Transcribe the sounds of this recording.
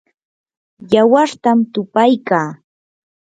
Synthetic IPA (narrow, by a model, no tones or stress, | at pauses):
jawaɾt̪amt̪ʊpajkaː